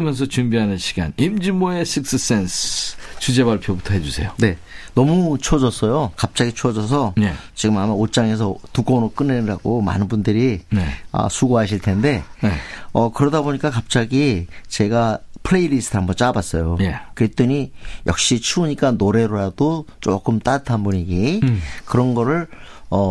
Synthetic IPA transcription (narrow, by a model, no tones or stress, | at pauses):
mjʌns̬ʰʌt͡ɕumbiɦanɯnɕʰi̥ɡa̰nimd͡ʑimoesʰik̚s͈ɯs͈enst͡ɕud͡ʑe̞baɭpʰjobutʰʌɦe̞d͡ʑusʰe̞̰jone̞nʌmut͡ɕʰod͡ʑʌs͈ʌjokap̚t͡ɕ͈aɡit͡ɕʰod͡ʑʌs̬ʰʌjet͡ɕiɡɯmamaot͡ɕ͈aŋe̞sʰʌtuɡonɾok͈ɯnːeɾaɡoma̰nɯnbundɯɾineʌ̰sʰuɡoɦaɕ̬ʰiɭtʰe̞nde̞eʌkɯɾʌdaboɲik͈akap̚t͡ɕ͈aɡit͡ɕe̞ɡapʰɯɾe̞iɾisʰtʰɯɦambʌnt͡ɕ͈abas͈ʌjojekɯɾet͈ɯɲijʌk̚ɕ͈it͡ɕʰuːɲik͈anoɾe̞ɾoɾadot͡ɕ͈ok͈ɯmt͈atʰanbuɲiɡikɯɾʌnɡʌɾɯɭʌ